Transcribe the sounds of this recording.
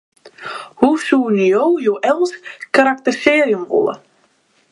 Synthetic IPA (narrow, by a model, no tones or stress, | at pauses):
husuːnyjowjowʔɛlˠskaɾak̚tərseːrjumvo̰lˠə̰